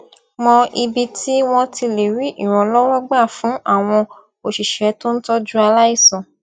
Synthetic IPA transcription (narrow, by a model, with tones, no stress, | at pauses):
mɔ̃˧i˧bi˧tʰi˦w̃ɔ̃˧ti˧le˨ɾi˨˦ʔi˦˨ɾ̃ɔ̃˨lɔ˦wɔ˦ɡ͡ba˦˨fũ˨˦ʔa˦˨w̃ɔ̃˧ | o˨ʃi˨ʃɛ˨˦to˦n̩˦tɔ˦d͡ʒu˦a˧la˦i˦˨sɔ̃˨